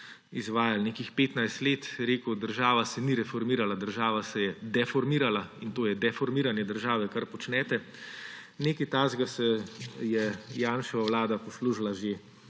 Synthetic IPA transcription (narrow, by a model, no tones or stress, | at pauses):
izʋaːjalneːkixpeːt̪najst̪leːt̪ɾeːkud̪əɾʒaːʋasɛniɾɛfɔɾmiːɾalad̪əɾʒaːʋasɛjɛd̪ɛfɔɾmiːɾalaint̪oːjɛd̪ɛfɔɾmiːɾanjɛd̪əɾʒaːʋɛkaɾpɔt͡ʃnɛːt̪ɛ | neːkit̪aːzɡasɛjɛjaːnʃɛʋawlaːd̪apɔsluʒlaʒe